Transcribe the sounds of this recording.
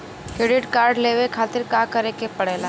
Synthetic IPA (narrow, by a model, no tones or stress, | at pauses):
kɾeɖɪʈkaːɾɖleːwekʰaːt̪ɪɾkaːkɐɾekepɐɽeːlaː